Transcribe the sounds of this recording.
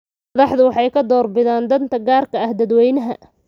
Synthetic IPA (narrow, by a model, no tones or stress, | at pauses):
ɐðɑħðʊwɑħɑjkʰɐd̪ɔːrbɪðaːnd̪ɐnt̪ʰɐɡaːrkʰɐɐhd̪ɐd̪wɛjnɐɦɐ̰